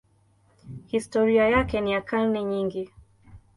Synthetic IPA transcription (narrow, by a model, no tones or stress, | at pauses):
histɔɾiajakɛnijakalniɲiŋɡi